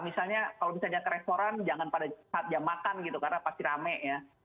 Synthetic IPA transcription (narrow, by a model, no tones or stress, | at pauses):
misalɲakalomisalɲakəɾest̪oɾand͡ʒaŋanpadasat̪̚d͡ʒamakanɡit̪ukarnapast̪iɾamɛʔja